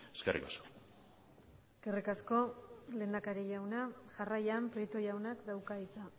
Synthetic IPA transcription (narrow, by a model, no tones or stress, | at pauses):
eskerʔḭkasko̥ | eske̞rikasko̞le̞ːnd̪akaɾeʝawnaʝarajampɾit̪ojawnakd̪awkait͡sa